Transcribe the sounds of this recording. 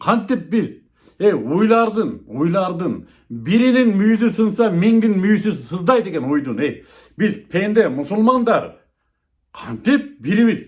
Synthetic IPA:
qʰɑnt̪ɪp̚bɪz | ejwojlˠɑɾd̪ənojlˠɑɾd̪ɯn | biɾɪnɪnmyjzɪsunsɑmeŋɡ̪ʲɪnmyjsɪsɨzd̪ɑjd̪e̞ɡʲenwojd̪ənej | bɪzpʰend̪emʊsʊlˠmɑnd̪ɑɾ | qʰɑnt̪ip̚biɾiβɪz

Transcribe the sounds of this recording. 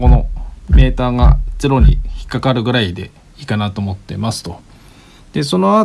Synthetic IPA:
o̞no̞me̞ːt̪aːɡa̰t͡sɨɾo̞ɲ̟ḭçi̥kːakaɾɯ̟ɡɯ̟ɾaid̪e̞ | ikanat̪o̞ːmo̞t̪ːe̞̰masɨ̥t̪o̞ | d̪̥e̞so̞no̞a

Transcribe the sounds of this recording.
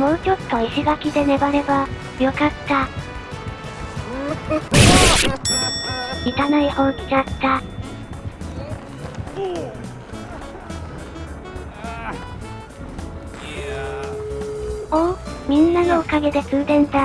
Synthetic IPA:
mo̞ːt͡ɕo̞t̪ːo̞iɕiɡakʲid̪e̞ne̞baɾe̞ba | jo̞kat̪ːa | it̪anaihoːit͡ɕat̪ːa | omʲĩnːano̞ːkaɡe̞d̪e̞t͡sɨːd̪ẽ̞nd̪a

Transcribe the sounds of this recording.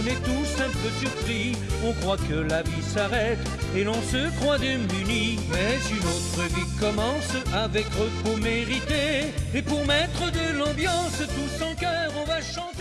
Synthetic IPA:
nɛt̪usɛ̃pʁəsyʁpχi | ɔ̃kχwakəlavisaʁɛt̪ | elɔ̃səkχwad̪emyni | mɛsynot̪χəvikɔmɑ̃savɛkʁøpuʁmeʁit̪eepuʁmɛt̪χəd̪əlɑ̃bjɑ̃st̪usɑ̃kœʁɔ̃vaʃɑ̃t̪

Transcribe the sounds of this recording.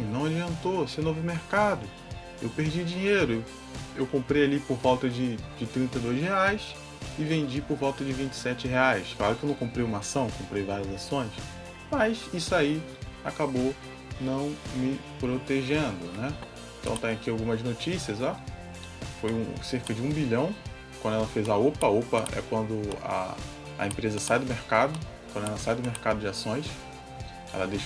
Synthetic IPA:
nɐ̃w̃ad͡ʒiɐ̃nt̪osenovʊmeɾkad̪ʊ | ḛwpeɾd͡ʒid͡ʒĩɲejɾʊew | ewkõmpɾejalipoɾvawt̪ɐd͡ʒɪd͡ʒɪt̪ɾĩnt̪ɐjd̪ojzheajs | ɪvẽd͡ʒipoɾvawt̪ɐd͡ʒɪvĩnt͡ʃɪ̥sɛt͡ʃɪɦeajskla̰ɾʊkɪewnɐ̃w̃kõmpɾejũmɐasɐ̃w̃kõmpɾejvaɾiɐzasõj̃s | mɐjsisʊaiakabo | nɐ̃w̃mɪ | pɾot̪eʒẽnd̪ʊnɛ | ẽt̪ɐ̰̃w̃t̪ẽj̃akiawɡũmɐznot͡ʃisiɐza | fojũseɾkɐd͡ʒɪũbiʎɐ̃w̃ | kwɐ̃nd̪ʊɛlɐfejzaopɐopɐʔɛ̰kwɐ̃nd̪ʊa̰ | ɐ̰ẽpɾezɐsajd̪ʊmeɾkad̪ʊ | kwɐ̃nd̪ʊɛlɐsajd̪ʊmeɾkad̪ʊd͡ʒɪasõj̃s | ɛ̰lɐd̪ejʃ

